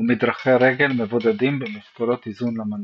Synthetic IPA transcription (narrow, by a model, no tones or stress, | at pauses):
mid̪ʁaχeʁeɡelmevod̪ad̪imbemiskolo̞t̪izunlaman